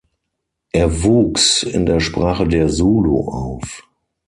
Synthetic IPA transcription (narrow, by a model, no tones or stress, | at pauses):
ʔeːɐvuːksɪ̰ndeːɐʃpʁ̥aːχədeːɐzuːlo̰ʔaʊf